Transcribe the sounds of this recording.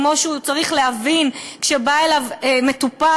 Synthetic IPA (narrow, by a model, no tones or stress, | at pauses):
mo̞ʃeut͡saʁiχleɦavinkʃebaelaveme̞t̪upa